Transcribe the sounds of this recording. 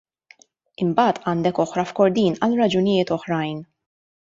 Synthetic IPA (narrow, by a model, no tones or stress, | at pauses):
ɪmbɐːt̪ʰɐːnd̪ɛkɔħɾɐfkɔɾd̪iːnɐlɾɐd͡ʒʊnɪjɪːt̪ɔħɾɐjn